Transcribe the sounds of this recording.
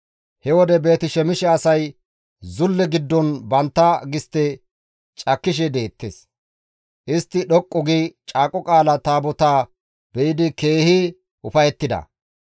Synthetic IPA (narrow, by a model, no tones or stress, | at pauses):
hɛwɔd̪ɛbe̞ːt̪ɪʃɛmɪʃɛɐsɐj | zʊlːɛɡɪd̪ːɔnbɐnt̪ːɐɡɪst̪ːɛ | t͡ʃʼɐkːɪʃ̬ɛd̪e̞ːt̪ːḛs | ʔɪst̪ːɪɗɔkʼːɔɡit͡ʃʼaːkʼɔkʼaːlɐt̪aːbɔt̪aː | bɛjɪd̪ɪke̞ːhi | ʊfɐjɛt̪ːɪd̪ɐ̰